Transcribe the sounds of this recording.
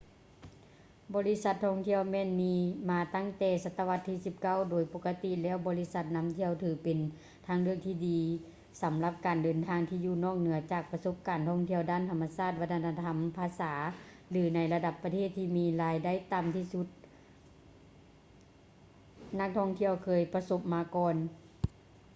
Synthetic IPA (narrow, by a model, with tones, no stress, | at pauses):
bɔː˨˦li˦˧˥sa˧t̪̚ʰːɔː˧˥˨ŋt̪ʰi˧˩əwmɛː˧˥˨nmiː˧maː˧t̪a˧˥˩ŋt̪ɛː˧˩sa˧t̪ːa˧ʋa˧t̪ʰːiː˧˥˩si˧˦p̚ka˧˩˨wdoː˨˩jpo˧˥kːa˧t̪i˧˥lɛː˧˥˩wbɔː˨˧li˧˥sa˧˥t̪̚na˧˥mt̪ʰi˧əwt̪ʰɯː˨˦pe˨˩n | t̪ʰa˧˥ŋlɯ˥˩əŋt̪ʰiː˧˩diː˨˦ | sa˨˦mla˧p̚kaː˨˩ndɤː˨˩nt̪ʰaː˧ŋt̪ʰiː˧juː˧˩nɔː˧˥˩ŋ̚nɯ˩˦ɐt͡ɕaː˨˩k̚pa˧so˧˥p̚kaː˨˩nt̪ʰɔː˧˥˩ŋt̪ʰi˧əwdaː˧˥˩nt̪ʰa˧mːa˧saː˧˥˩t̪̚ʋa˧t̪ʰːa˧na˧t̪ʰa˧mpʰaː˧saː˩˨˦ | lɯː˨˦na˧˥jla˧da˧˦pːa˧t̪ʰeː˥˩t̪ʰːiː˧miː˧laː˨˧˦jda˧˥˩jt̪aː˨mt̪ʰiː˧˨su˧˦t̪̚ | na˧˥k̚t̪ʰɔ˧˥˩ŋt̪ʰi˧əwkʰɤː˧˩jpa˧so˧˥p̚maː˧kɔː˧n